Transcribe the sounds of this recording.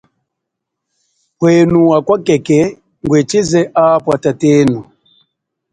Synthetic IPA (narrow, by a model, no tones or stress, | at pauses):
hwɛnuwakwakɛkɛ | ŋɡwɛt͡ʃizɛʔapwatatɛːnu